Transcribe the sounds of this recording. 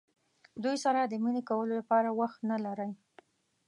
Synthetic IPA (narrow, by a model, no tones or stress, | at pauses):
d̪ujsaɾad̪əminekawəlolapɑɾawaxt̪nalaɾəj